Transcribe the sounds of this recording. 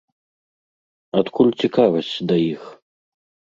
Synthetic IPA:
at̪kʰulʲt͡sʲikavɐsʲt͡sʲd̪ɐjix

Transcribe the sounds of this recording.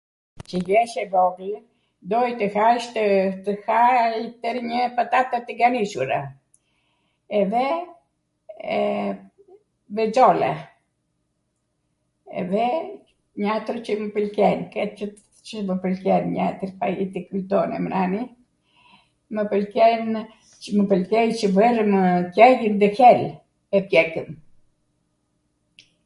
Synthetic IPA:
t͡ʃəjɛʃɛbɔɡl | d̪ɔjt̪əhaʃt̪ət̪əhait̪əɾɲəpat̪at̪at̪əɡaniʃuɾa | ɛðɛ | vɛd͡zɔlɛ̰ | ɛ̰ðɛ | ɲat̪ɾt͡ʃəməpəlkɛnkɛt͡ʃət̪ | t͡ʃəməpəlkɛnɲat̪əɾpajit̪ikut̪ɔnɛ̰mɾani | məpəlkɛn | əməpəlkɛjt͡ʃəvərəməkɛjənd̪əhɛl | ɛpjɛkən

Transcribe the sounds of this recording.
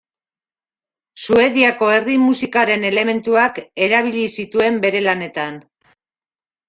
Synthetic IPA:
sue̞ðiako̞e̞rimusikaɾe̞ne̞le̞me̞nt̪uake̞ɾaβ̞iʎisit̪ue̞mbe̞ɾe̞lane̞t̪an

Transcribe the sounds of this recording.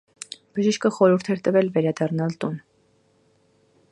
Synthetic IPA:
b̥əʒiʃkəχɔɾuɾt̪ʰɛɾt̪əvɛlvɛɾɑd̪ɑrnɑlt̪un

